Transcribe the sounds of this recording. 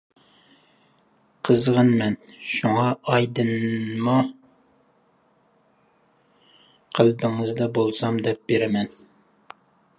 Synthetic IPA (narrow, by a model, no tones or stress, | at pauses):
qʰəzʁənmɛnʃuŋɑʔːjd̪ɨnmɑ | qʰəlbɪŋɨzd̪ɑbolˠsɑmd̪ɛp̚beɾɪmɛn